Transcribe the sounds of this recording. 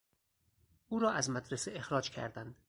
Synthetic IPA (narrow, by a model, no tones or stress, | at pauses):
uːɾɒːʔæzmæd̪ɾeseexɾɒːd͡ʒkʲʰæ̰ɾd̪ænd̪